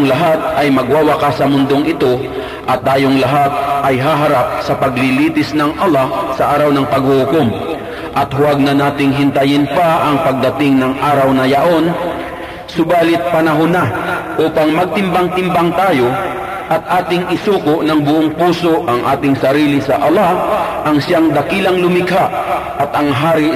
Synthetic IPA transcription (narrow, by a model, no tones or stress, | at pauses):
ŋlɐɦat̪̚ʔɐjmɐɡwawakasɐmʊnd̪o̞ŋɪt̪o̞ | ʔɐt̪̚ʔaːjoŋlɐɦat̪̚ʔɐjɦaɦɐɾap̚sɐpɐɡlɪliːt̪ɪsnɐŋʔɐlasɐʔaːɾɐwnɐŋpɐɡ̚hʊhʊkom | ʔɐt̪hʊwaɡ̚nɐnaːt̪ɪŋɦɪnt̪ɐjɪnpaʔɐŋpɐɡ̚d̪ɐt̪ɪŋnɐŋʔaːɾɐwnɐjaʔo̞n | sʊbaːlɪt̪̚pɐnɐɦonaʔuːpaŋmɐɡ̚t̪ɪmbaŋt̪ɪmbaŋt̪aːjo | ʔɐt̪̚ʔaːt̪ɪŋʔɪsuːkoʔnɐŋbʊʔoŋpuːso̞ʔɐŋʔaːt̪ɪŋsɐɾiːlɪsɐʔalaʔɐŋsɪjaŋd̪ɐkiːlɐŋlʊmɪkhaʔɐt̪ʔɐŋɦaːɾɪ